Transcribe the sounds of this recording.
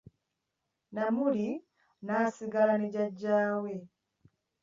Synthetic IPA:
namuɾi | nasiɡalanid͡ʒad͡ʒaːwɛ

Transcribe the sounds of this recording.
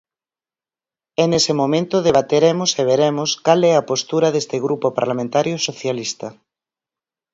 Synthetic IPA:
ɛnesemomẽnt̪oðeβ̞at̪eɾemoseβ̞eɾemoskalɛɐpost̪uɾɐðest̪eɣɾʔupopa̰ɾlamẽnt̪aɾjosoθjalist̪ɐ

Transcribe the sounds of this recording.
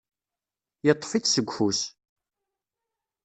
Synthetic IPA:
jət̪ˤːfit͡ssəɡʷhus

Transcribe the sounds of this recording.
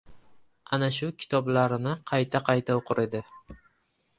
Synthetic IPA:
anaʃʊkʲʰɪ̥t̪ʰɒblaɾɪnɪqʰɑjt̪ʰaqʰɑjt̪ʰaoqʰʊɾe̞d̪ɪ

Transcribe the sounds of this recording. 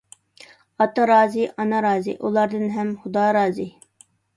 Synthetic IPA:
ɑt̪ɑɾɑːziʔɑnɑɾɑːzḭʔulˠɑɾd̪ɨnɦɛmχʊd̪ɑːɾɑːzi

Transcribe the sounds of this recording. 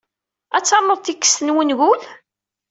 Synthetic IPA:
æt͡sːɑɾˤmoðˤt̪ikːə̥sənwənɣul

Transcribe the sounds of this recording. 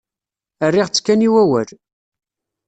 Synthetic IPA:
ərːiʁt͡sːkːæniwæwæ̰l

